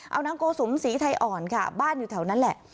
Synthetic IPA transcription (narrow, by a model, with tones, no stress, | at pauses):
ʔa˧wnaː˦˥mkoː˧su˩˦msiː˩˦t̪ʰa˧jʔɔː˨˩nkʰa˥˩baː˥˩njuː˨˩t̪ʰːwna˦˥nlɛ̰˨˩ʔ